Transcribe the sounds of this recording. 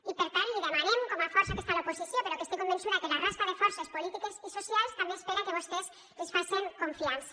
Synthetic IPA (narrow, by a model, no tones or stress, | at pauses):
ipeɾt̪aɾiðamaɾemkomafoɾsake̞st̪alaoposiθjompeɾokest̪ojkombe̞nsuɾakelarast̪aðe̞foɾsaspolit̪ikesisosjalest̪ambjeespeɾakeβust̪es | lesfaseŋko̞ɱfiansḁ